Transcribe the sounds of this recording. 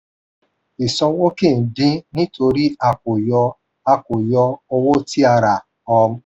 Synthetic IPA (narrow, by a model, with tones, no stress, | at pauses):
i˨sɔ˧wo˦ki˦˨n̩˨dĩ˦nĩ˦to˧ɾi˦a˨ko˨jɔ˧ | a˦kʷo˨jɔ˧o˧wo˦ti˦a˧ɾa˨ | ɔ˧m̩˦